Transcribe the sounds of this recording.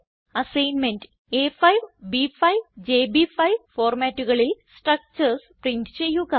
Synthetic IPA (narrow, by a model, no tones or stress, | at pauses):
ɐsɐjnmendɨ | efɐjʋbifɐjʋd͡ʑeːbifɐjʋfoːrmaːtːuɣɐɭilsʈrɐk̚t͡ɕɐrsprintɨt͡ɕe̞jːuɣɐ